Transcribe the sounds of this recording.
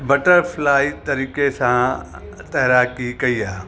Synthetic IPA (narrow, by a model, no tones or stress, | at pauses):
bəʈəɾpʰlaːit̪ɐɾiːkesãt̪ɛːɾaːkikɐiːaː